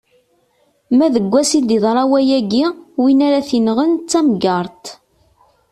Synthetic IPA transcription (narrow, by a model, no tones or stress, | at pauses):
mæðəɡʷːæsid̪iðˤɾˤɑwæjæɡiwinæɾaθinʁənt͡sːæmɡɑɾˤt̪